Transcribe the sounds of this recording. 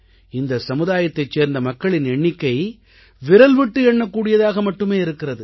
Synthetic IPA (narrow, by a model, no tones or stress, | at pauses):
ɪnd̪ɐsɐmɯðaːjɐt̪ːɐɪt͡ʃseːɾnd̪ɐmɐkːɐɭɪnɛɳːɪkːɐɪ | ʋɪɾɐlʋɪʈːɯɛɳːɐkːuːɽɪjɐðaːɣɐmɐʈːɯmeːɪɾɯkːɪrɐðɯ